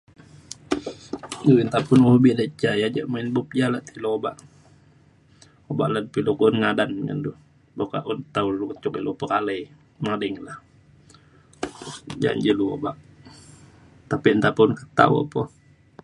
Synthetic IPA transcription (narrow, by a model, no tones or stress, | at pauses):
duint̪apunulbiʔdət͡ʃajad͡ʒaʔmainbup̚d͡ʒalaʔt̪iloobaʔ | oba̰ʔladpilukunŋadanŋa̰ndu | bokaʔunt̪awlukət͡ʃukilupəkaləj | nadəŋlah | d͡ʒa̰ɲd͡ʒəluo̰baʔ | t̪apint̪apunkət̪a̰wa̰pɔ